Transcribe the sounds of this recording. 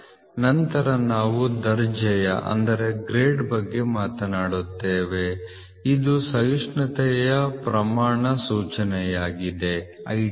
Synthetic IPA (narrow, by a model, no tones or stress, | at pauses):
nɐnt̪ɐɾɐnaːʋud̪ɐɾd͡ʒɐjɐ̰ʔɐ̰nd̪ɐɾe̞ɡɾeːɖbɐɡːe̞maːt̪ɐnaːɽut̪ːeːʋe̞ | id̪usɐjuʂɳɐt̪ɛjɐpɾɐmaːɳɐsuːt͡ʃɐnɛjaːɡid̪e̞ | ɐ̰j